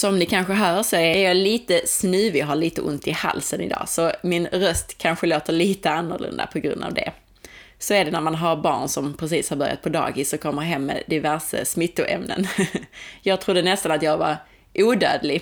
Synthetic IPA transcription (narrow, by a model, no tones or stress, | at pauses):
sɔmnɪkʰanɧəɦœːʂɔææɾjɑliːt̪əsnʉ̟ːvɪɦaɭiːt̪əʔʊ̰nt̪ɪha̰lsənɪ̰d̪ɑ̰ːsɔmɪnɾœst̪kʰanɧəloːt̪əɾɭiːt̪əanːʊɾlʔɵ̰nd̪a̰pʰɔɡɾɵ̰nd̪a̰vd̪ɛ̰ | sɔɛɖɛnæɾmanɦaɾbɑ̰ːɳsɔmpʰɾɛs̬iːshaɾbœɾja̰t̪̚pʰɔd̪ɑ̰ːɡɪsːɔkʰɔmːəɾɦɛmːɛ̰d̪ɪvæɾʂə̰smɪt̪ːʊʔɛmnə̰n | jɑːɡ̚t̪ʰɾʊd̪ːənɛst̪anat̪jɑːɡvaɾ | ʔuːd̪øːd̪lɪ